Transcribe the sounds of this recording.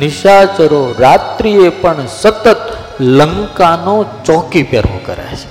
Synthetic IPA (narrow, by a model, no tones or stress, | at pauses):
nɪʃat͡ʃəɾoɾat̪ɾiepəɳsət̪ət̪ | ləŋkanot͡ʃɔkipɛɾʋo̰kə̰ɾa̰jt͡ʃʰe̥